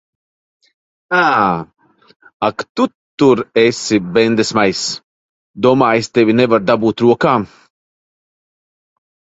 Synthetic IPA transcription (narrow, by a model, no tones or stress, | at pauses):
aː | akt̪ut̪ːuɾesibɛnd̪esmajs | d̪uɔmaːjst̪evinevaɾd̪abuːt̪ɾuɔkaː